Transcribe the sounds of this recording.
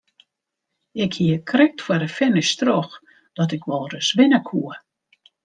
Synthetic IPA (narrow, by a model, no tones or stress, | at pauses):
ɪkhiəkʰrɪk̚tfwəɾəfɪnistrɔx | d̥ɔtɪkʋɔlˠrəsʋɪnəkʰuə